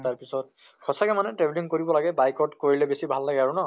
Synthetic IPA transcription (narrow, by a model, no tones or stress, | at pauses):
taɹpisɔt̚ | kʰɔsakɛmanɛtɹebliŋkoɹibɔlaɡɛbajkɔtkoɹilɛbesibʱalːaɡɛaɹunɔ